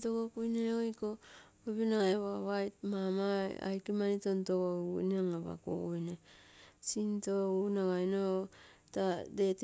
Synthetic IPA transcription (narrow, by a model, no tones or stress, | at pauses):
toɡokujneojko | oβinaeβoaβajt̚mama̰a̰jkimanitontoɡokṵjneaŋaβa̰ko̰kujnesintounaɡajno | tadet